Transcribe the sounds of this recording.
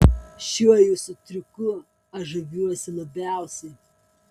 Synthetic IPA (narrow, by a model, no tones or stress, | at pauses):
ʃʲuɔjuːsʊt̪ʲɾʲʊkʊ | ɐʒɐʋʲuɔsʲɪlˠɐbʲæˑʊsʲɛɪ